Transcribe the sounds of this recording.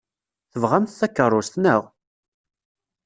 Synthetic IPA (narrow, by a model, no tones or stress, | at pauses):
θəvʁæmθθækːərˤːʊst̪nəʁ